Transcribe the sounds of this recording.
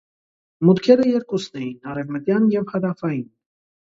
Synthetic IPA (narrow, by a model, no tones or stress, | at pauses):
mut̪kʰɛɾəjɛɾkusnɛjinɑɾɛvmət̪jɑnjɛvhɑd̪ɑfɑjin